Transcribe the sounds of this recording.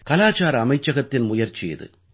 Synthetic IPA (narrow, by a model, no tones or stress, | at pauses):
kɐlaːt͡ʃaːɾɐɐmɐɪt͡ʃːɐɣɐt̪ːɪnmʊjɐɾt͡ʃːɪjɐ̰ðɯ̰